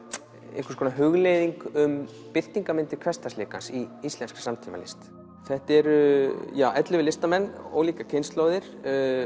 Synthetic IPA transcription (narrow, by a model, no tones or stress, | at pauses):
ɛ̰hkaskʰɔːnaɦʏɣlejðiŋkʏm | pɪl̥t̪iŋkamɪnt̪ɪ̥kʰvɛst̪aslɪːkansiist̪ɛnsksamt̪ʰiːma̰lɪ̰st̪ | θɛht̪ɛɾjaːwʔɛt̪lɪvɪlɪst̪amɛnːɔ̰ɣliːkacʰɪnst̪loːwðɪɾ̥